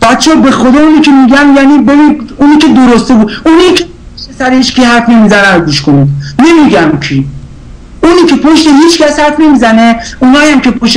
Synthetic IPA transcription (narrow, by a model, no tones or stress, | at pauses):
b̥æt̪t͡ʃʰɒːbe̞xod̪ɒːuniːkʲʰemiɡæmjæniːbebiunikʰed̪oɾost̪ebud̪unikʰepʰoʃt̪esæɾehit͡ʃkʰihæɾfnemiːzænænɡuːʃkoninemiɡæmkʰi | unikʰepʰoʃt̪eɦiːt͡ʃkæshæɾfne̞miːzæneunɒːjæmkʲʰepʰoʃ